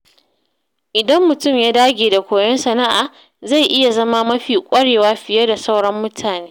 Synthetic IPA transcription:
ʔɪ˨dɐ˦mːʊ˨tʊ˦˨mjaː˦daː˦ɡʲeː˨da˨kʷoː˨jɐ˦nsɐ˨na˦ʔaː˨ | za˦˨jʔɪ˦ja˨zɐ˦ma˦mɐ˦ɸiː˨kʷʼɐ˦ɽeː˨waː˦ɸɪ˨jɐ˦da˨sa˦wɽɐ˦mːʊ˦tʰaː˨neː˦

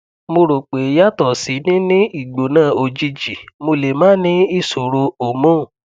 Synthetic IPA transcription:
mo˧ɾo˨k͡pe˨˦ja˦˨tɔ˨si˨˦nĩ˦nĩ˦i˦˨ɡ͡bo˨˦nãː˦˨o˧d͡ʒi˧d͡ʒi˨mo˧le˨mãː˦nĩ˦i˦˨so˨ɾo˧o˨mõ˦˨

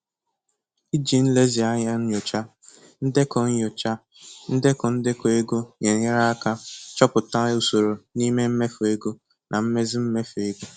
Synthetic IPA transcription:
i˦d͡ʒi˨n̩˦le˦zi˨a˦ɲa˦n̩˦jʊ˨t͡ʃa˦ | n̩˦de˦kɔ˨ɲ̩˦jʊ˨t͡ʃa˦ | n̩˦de˦kʊ˨n̩˦dɪ˦ko˨e˦ɡo˦ɲe˨ɲɪ˦ɾa˦a˦ka˦t͡ʃɔ˦pʊ˨ta˦o˨so˨ɾo˨ni˦me˦m̩˦me˦fʊ˨e˦ɡo˦ | nʔa˨m̩˦me˦zi˦m̩˦me˦fe˨ɡo˦

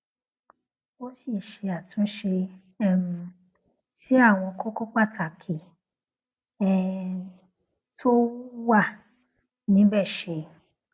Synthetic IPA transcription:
o˦si˦˨ʃe˧a˨tũ˨˦ʃe˧ | ɛ˦˨m̩˨˧ | ti˦a˦˨w̃ɔ̃˧kɔ˦kɔ˦k͡pa˦˨ta˨kʰe˨ | ɛ˦˧ | tʰo˦wa˦˨ | nĩ˨˦bɛ˦˨ʃe˧

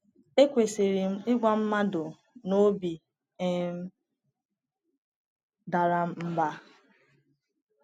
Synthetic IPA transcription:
e˦kʷe˨se˨ɾi˨m̩˦ɪ˦ɡʷa˦m̩˦ma˦dʊ˨ | no˦bi˨ | e˦m̩˦ | da˨ɾa˦m˦m̩˦ba˦

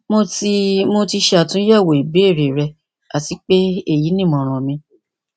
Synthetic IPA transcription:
mo˧ti˧mo˧ti˧ʃe˧a˦˨tũ˦jɛ˦˨wo˨i˨be˨˦e˦˨ɾe˨ɾɛ˧ | a˦˨ti˨˦k͡pe˦e˦˨ji˨˦nĩ˦˨mɔ̃˨ɾ̃ɔ̃˨mĩ˧

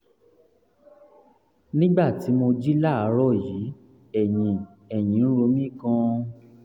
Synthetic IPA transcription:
nĩ˦ɡ͡ba˦˨ti˨˦mo˧d͡ʒi˦la˦˨a˨˧˦ɾɔ˦˨ji˨˦ | ɛ˨jĩ˨ | ɛ˨j̃ĩ˨˦n̩˦ɾo˧˦mĩ˦˨kã˧

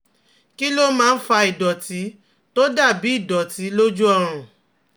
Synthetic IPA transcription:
ki˦lo˦mãː˦˧n̩˦fa˧i˨dɔ˨ti˨˦ | to˦da˦˨bi˨˦i˦˨dɔ˨ti˨˦lo˦d͡ʒu˦ɔ˧ɾ̃ũ˨

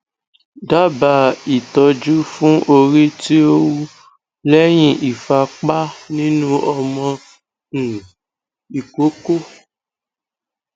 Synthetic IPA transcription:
da˦ba˨i˨tɔ˧d͡ʒu˦fũ˦ʔo˧ɾi˦ti˦o˦wu˦ | lɛ˦j̃ĩ˦ʔi˨fa˧k͡pa˦nĩ˦nũ˦ɔ˧mɔ̃˧ | ñ̩˨ | i˨ko˦ko˦

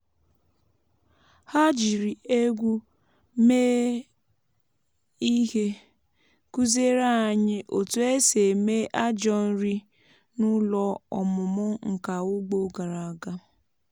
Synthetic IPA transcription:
ha˦d͡ʒi˨ɾi˨e˦ɡʷu˦ | meː˦ | i˦he˦ | ku˦ze˦ɾa˦a˨ɲɪ˦ʔo˨tu˨e˦se˨me˦ʔa˦d͡ʒɔ˦n̩˦ɾi˦ | nʊ˦lɔ˦ɔ˨mʊ˨mʊ˦ŋ̩˨ka˨ʊ˦ɡ͡bo˨ɡa˨ɾa˨ɡa˦

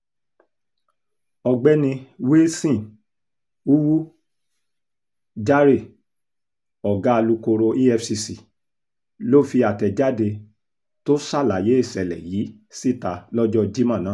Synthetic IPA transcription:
ɔ˧ɡ͡bɛ˦nĩ˧we˦sĩ˦˨ | u˦wu˦ | d͡ʒa˦ɾe˦˨ | ɔ˨ɡa˦˧lu˧ko˧ɾo˧ʔi˦ɛ˧fsi˧si˨ | lo˦˨fi˧a˨tɛ˨d͡ʒa˦de˧ | to˦sa˦˨la˨je˨˦e˦˨sɛ˨lɛ̰˨jiː˨˦ | si˦˨ta˧lɔ˦d͡ʒɔ˦d͡ʒi˦mã˦˨nãː˨˦

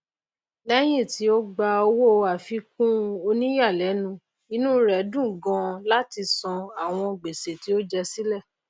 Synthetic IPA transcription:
nɛ˦j̃ĩ˦˨ti˨˦o˦ɡ͡ba˧o˧wo˦˨˧a˨fi˧kũ˦˧o˧nĩ˦ja˦˨lɛ˨˦nũ˦˧˦ | i˧nũ˦ɾɛ˨˦dũ˦˨ɡɔ̃˧˦la˦ti˧sɔ̃˧a˨w̃ɔ̃˧ɡ͡be˨se˨ti˨˦o˦d͡ʒɛ˧si˦lɛ˦˨

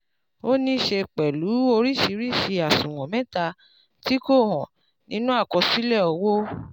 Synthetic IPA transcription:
o˦nĩ˦ʃe˧k͡pɛ˨lu˨˦o˧ɾi˦˨ʃi˧ɾi˦˨ʃi˧a˨sũ˨w̃ɔ̃˨mɛ̃˦ta˧ | ti˦ko˦˨ɦɔ̃˨ | nĩ˨˦nũ˦a˦˨kɔ˧si˦lɛ˦˨ɔ˧wo˦

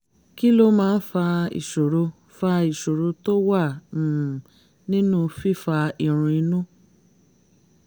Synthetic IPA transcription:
ki˦lo˦mãː˦˧n̩˦fa˧ḭ˨ʃo˨ɾo˧ | fa˧i˨ʃo˨ɾo˧to˦wa˦˨ | nĩ˦nũ˦fi˦fa˧i˨ɾ̃ũ˧i˧nũ˦

